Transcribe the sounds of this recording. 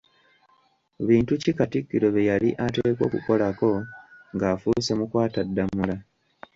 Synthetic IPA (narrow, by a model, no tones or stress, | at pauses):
βiːntucikatikːiɾo̞βejaliʔateːkwo̞̰ːkṵko̞lako̞ŋɡaːfuse̞mukwaːtadːamula